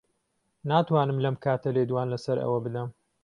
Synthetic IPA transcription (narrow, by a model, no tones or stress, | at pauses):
naːt̪waːnɨmlɐmkʰaːt̪ʰɐleːd̪waːnlɐsɐɾʔɐ̰wɐbɨd̪ɐm